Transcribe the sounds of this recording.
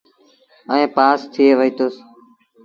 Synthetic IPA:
əẽːpaːst̪ʰɪeːʋəɦiːt̪oːs

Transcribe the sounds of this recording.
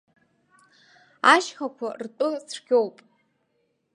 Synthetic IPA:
aʃχakʷʰartʼʊsʈ͡ʂɡʲo̞wpʼ

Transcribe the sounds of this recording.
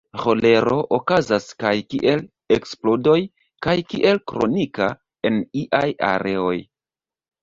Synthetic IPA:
ʁo̞le̞ɾo̞ʔokazaskajkḭʔe̞l | eksplodo̞j | kajkiʔe̞lkɾo̞̰nika | e̞niʔaja̰ɾe̞o̞j

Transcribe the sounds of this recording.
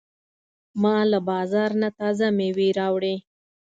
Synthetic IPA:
mɑlabɑzɑɾnat̪ɑzameweɾɑwɽe

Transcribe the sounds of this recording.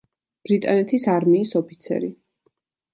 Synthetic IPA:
b̥ɾit̪ʼanɛt̪ʰisaɾmiːsɔpʰit̪sʰɛ̰ɾi

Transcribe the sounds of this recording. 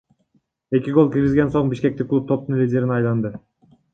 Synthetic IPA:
e̞kʲiɡo̞lˠkʲiɾɡizɡʲe̞nso̞ɴbiʃkʲe̞k̚t̪ikːlˠup̚t̪ʰo̞p̚t̪unlʲidʲe̞ɾinɑjlˠɑnd̪ɯ

